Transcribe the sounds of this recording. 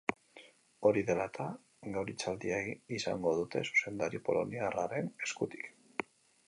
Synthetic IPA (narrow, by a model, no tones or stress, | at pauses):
o̞ɾiðe̞lat̪ʰa | ɡawɾit͡sald̪iaisa̰ŋɡo̞ðut̪e̞̰su̥se̞nd̪aɾipo̞̰lo̞̰niaraɾe̞ne̞skut̪i̥k